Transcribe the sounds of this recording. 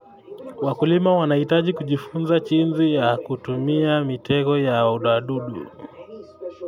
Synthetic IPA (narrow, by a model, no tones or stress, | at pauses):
wakulimawanahitaʄikuʄifunzat͡ʃinzijakutumiamitɛkɔjauɗaɗuɗṵ